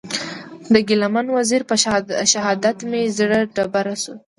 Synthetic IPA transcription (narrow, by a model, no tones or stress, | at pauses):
d̪əɡɪlamanwaziɾpəʃaɦɑd̪at̪mezɽəɖabaɾasu